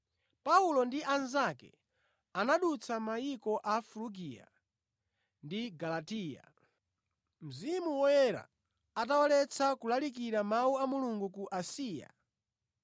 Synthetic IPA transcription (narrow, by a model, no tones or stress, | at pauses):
paulɔndiʔanzakɛ̰ | anaɗut͡sʰamaikɔʔafluɡija̰ | ndiɡalatiːja̰ | m̩zimuwɔjɛɾa̰ː | t̬awalɛt͡sʰakulalik̬iɾamawuamuluŋɡukuʔasiːja̰